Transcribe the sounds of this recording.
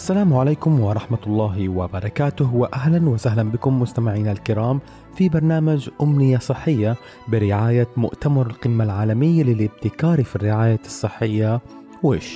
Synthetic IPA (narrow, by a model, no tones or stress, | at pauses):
ʔʔasːalaːmʕaleːkʊmwɑɾˤɑħmat̪lˤːɑːɦɪwabɑɾˤɑkaːt̪ʊhwaʔaɦlanwɪsaɦlanbɪkʊmːʊst̪amɪʕiːnalkɪɾˤɑːm | fibɑɾˤnaːmad͡ʒʔʊmnɪjasˤɨħːɪjːa | bɪɾɪʕaːjamʊ̰ʔt̪amɑɾˤɪlqɪmːalʕaːlamɪjːalɪlɪbt̪ɪkɑːɾifirːɪʕaːjasˤːɨħːɪjːa | wɪːʃ